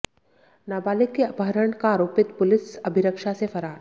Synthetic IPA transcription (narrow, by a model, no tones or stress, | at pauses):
naːbaːlɪkːeɐpɦəɾəɳkaːɾoːpɪt̪pʊlɪsɐbʱɪɾəkʃasefʰɐɾaːɾ